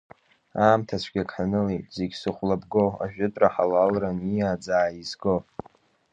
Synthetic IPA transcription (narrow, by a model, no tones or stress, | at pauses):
aːmtʰat͡ɕʷʰɡʲakʰʼħanɨlejtʼzeɡʲsɨχʷlabɡoa̰ʒᶣʊtʼraħalalranijaːd͡zaːizɡo